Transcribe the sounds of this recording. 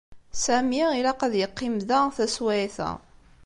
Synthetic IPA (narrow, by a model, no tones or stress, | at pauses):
sæmiilaqaðjəqːimðæθæswæiθæ̰